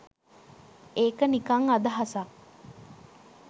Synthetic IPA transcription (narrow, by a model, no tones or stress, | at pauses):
eːkənikaŋad̪ɐɦɐsa